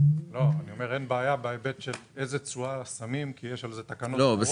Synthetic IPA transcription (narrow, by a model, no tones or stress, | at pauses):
lo̞anio̞meʁenbaːjabaebet̪ʃelezet͡suasamimkijeʃalzet̪akanolobe